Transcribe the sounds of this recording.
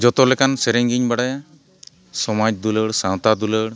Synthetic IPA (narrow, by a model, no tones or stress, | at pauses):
d͡ʒɔt̪ɔlɛkansɛɾɛŋɡiɲbaɽaj | sɔmad͡ʒ̚d̪uləɽsãw̃t̪ad̪uləɽ